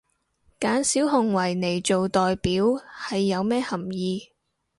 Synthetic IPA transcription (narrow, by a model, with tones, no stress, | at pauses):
kaː˨˥nsiː˨˥wɦʊ˨ŋwɐ˨˩jne˨˩jt͡ʃo˨wt̪ɔː˨jpiː˨˥whɐ˨jːɐ˨˧wmɛː˥hɐ˨˩mjiː˧